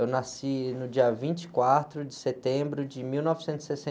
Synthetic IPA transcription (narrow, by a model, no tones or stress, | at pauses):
ewnasinʊd͡ʒiɐvĩt͡ʃɪ̥kwat̪ɾʊd͡ʒɪset̪ẽbɾʊd͡ʒɪmiwnɔvɪsẽnt̪ʊz̥sesẽ